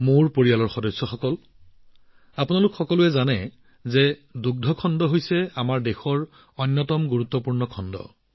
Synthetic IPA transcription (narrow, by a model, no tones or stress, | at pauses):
moɹpoɹijalɔɹxɔdɔjsːɔxɔkɔl | apunalʊkxɔkɔlʊɛzanɛ | zɛduɡ̚dʱɔkʰɔndɔɦojsɛamaɹdexɔɹ | ɔnːɔtɔmɡuɹut̪ːɔpuɹnɔkʰɔndɔ̰